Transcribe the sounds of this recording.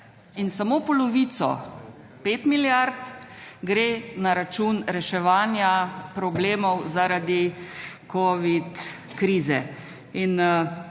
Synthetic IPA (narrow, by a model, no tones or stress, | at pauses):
insamoːpɔlɔʋiːt̪sɔ̰ | peːt̪miljaɾt̪ɡɾeːnaɾat͡ʃuːnɾɛʃɛʋaːnjapɾɔbleːmɔwzaɾad̪ikʰoʋit̪ | kɾiːzɛ | in